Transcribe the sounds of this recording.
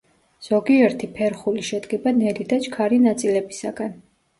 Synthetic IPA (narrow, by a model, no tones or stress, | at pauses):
z̥ɔɡiɛɾt̪ʰipʰɛɾχuliʃɛd̪ɡɛbanɛlid̪at͡ʃʰkʰaɾinat̪sʼilɛbisaɡɛn